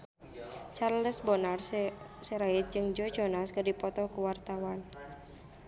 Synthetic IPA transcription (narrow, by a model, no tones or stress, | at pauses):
t͡ʃarləsbɔnarssɛɾait̪̚d͡ʒɨŋd͡ʒɔd͡ʒɔnaskərdipɔt̪ɔkuwart̪awan